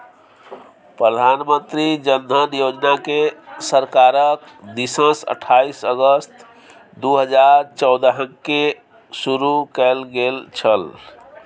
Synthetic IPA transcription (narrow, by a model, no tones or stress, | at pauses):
pɾəd̪ʱanmə̃nt̪ɾid͡ʒənd̪ʱənjod͡ʒnakesəɾkaɾək | d̪isə̃sə̰ʈʰaisəɡəst̪ | d̪uɦəd͡ʒaɾt͡ʃəʊd̪ɦə̃ke | suɾukɛlɡelt͡ʃʰəl